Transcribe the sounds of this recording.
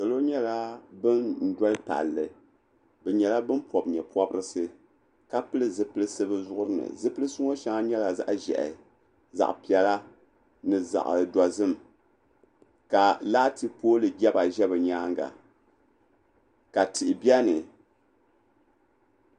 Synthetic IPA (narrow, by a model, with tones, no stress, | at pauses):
sɨ˨lo˦ɲɛ˦la˦bɨ˦nn̩˨dɔ˦lɨ˦ta̰˨lːɨ˨ | bɛ˨ɲɛ˨la˦bɨ˦npʰɔ˨bɲɛ˨pɔ˦bɨ˦ɾɨ˦sɨ˦ | ka˦pɨ˦lɨ˦zɨ˦pɨ˦lɨ˦sɨ˦bɨ˦zʊ˦ʔʊ˦ɾɨ˦nɨ̰˨zɨ˦pɨ˦lɨ˦sɨ˦ŋo˦ʃa˦ŋa˦ɲɛ˦la˨za̰˦ʔʒɛ̰˨ʔɪ̰˨ | za̰˨ʔpi˨ɛ˨la˦ | nɨ˨za̰˨ʔda˨zɨ˦˨m˨ | ka˨laː˦tʰɨ˦poː˦lɨ˨ɡɛ˦ba˨ʒɛ˦bɨ˨ɲaː˦ŋɡa̰˨ | ka˨tʰɨ˨ʔbi˦ɛ˦nɨ˨